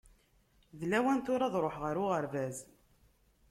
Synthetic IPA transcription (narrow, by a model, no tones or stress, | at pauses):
ðlæwænt̪ʊɾˤɑðɾˤoħʁəɾʊʁəɾvæz